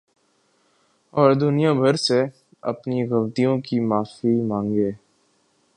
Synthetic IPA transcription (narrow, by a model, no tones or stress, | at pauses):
ɔːɾd̪ʊnijãbʱɐɾse | ɐ̰pniɣɐʋt̪ijõkimaːfimãːŋɡeː